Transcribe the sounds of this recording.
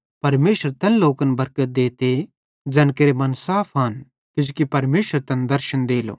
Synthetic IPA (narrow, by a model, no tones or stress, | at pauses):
pɐɾmeːʃəɾt̪ɛ̃nloːkənbɐɾkət̪̚d̪eːt̪e | d͡ʒɛːnkeɾemɐnsaːpʰɦɐn | k̪ɪd͡ʒʊkipɐɾmeːʃəɾt̪ɛ̃nd̪ɐɾʃənd̪eːlo̰ː